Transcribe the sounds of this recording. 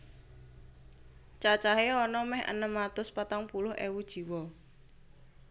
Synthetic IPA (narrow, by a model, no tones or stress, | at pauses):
t͡ʃat͡ʃaɦeɔnɔmɛhʔə̰nəmːat̪ʊspat̪aŋpulʊhʔḛwud̥ʒ̥i̤wɔ